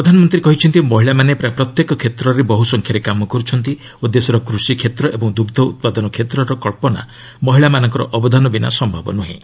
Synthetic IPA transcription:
pɾɔd̪ʱanɔmɔnt̪ɾikɔɦit͡ʃʰɔnt̪imɔɦiɭamanepɾajpɾɔt̪jekɔkʰet̪ɾɔɾebɔɦusɔŋkʰjaɾekamɔkɔɾut͡ʃʰɔnt̪i | ud̪ːesɔɾɔkɾusikʰet̪ɾɔʔebɔŋd̪uɡd̪ʱɔṵt̪̚pad̪ɔnɔkʰet̪ɾɔɾɔkɔɭpɔna̰ | mɔɦiɭamanɔŋkɔɾɔ̰ʔɔbɔd̪ʱanɔbina̰sɔmbʱabɔ̰nuɦḭ̃

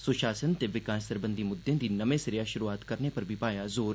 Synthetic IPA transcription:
sʊʃaːsənt̪eʋɪkaːʃsɐɾbə̃nd̪ʱimʊd̪ʱːẽd̪inɐmẽsɐɾijaʃʊɾuaːt̪kɐɾnepɐɾbʱipaːjazoːɾ

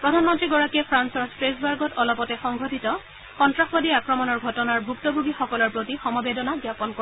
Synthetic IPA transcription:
pɹɔdʱanmɔntɹiɡɔɹakiɛpʰɹansɔɹspɹesbaɹɡɔtɔlɔpɔtɛxɔŋɡʱɔtʰitɔ | xɔntɹaxbɔdiakɹɔmɔnɔɹɡʱɔtɔnaɹbʱuktɔbʱuɡixɔkɔlɔɹpɹotixɔmɔbedɔnaɡjapɔnko

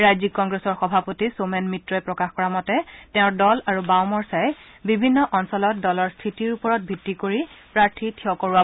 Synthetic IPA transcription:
ɹajzikːɔŋɡɹesɔɹxɔbʱapotisomɛnmitɹɔɛpɹɔkaxkɔɹamɔtɛtɛʊ̃ɹdɔlaɹubawmɔɹsaj | bibʱinːɔʔɔnsɔlɔt̚dɔlɔɹstʰitiɹupɔɹɔt̚bʱitːikoɹipɹaɹtʰitʰiɔkoɹua

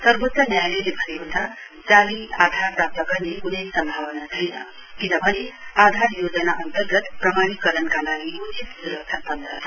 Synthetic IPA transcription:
sʌɾbot̪ːʌnjajlelebʱʌneɦut̪ʰa | t̪jaliad̪ʱaɾpɾap̚t̪ʌkanekunejsʌmbʱaʋʌnad̪ʱʰijnʌ̰ | kinʌbʱʌnead̪ʱaɾjoːd͡ʒʌnaʔʌnt̪əɾɡʌt̪pɾʌmaɽ̃ikʌɾʌnkalaɡiut͡ʃit̪suɾəkt͡ʃʰat̪ʌnd̪ə̰

